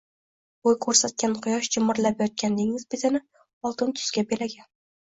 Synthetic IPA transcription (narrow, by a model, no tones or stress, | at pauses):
ojkʰɵɾsat̪̚kʲanqʰʊjɒʃd͡ʒɪmɒɾlapjɒt̪̚kʲʰand̪eŋɪzbet̪ʰɪnɪ | ɒlˠt̪ɪnt̪ʰʊ̥skʲabelaɡʲan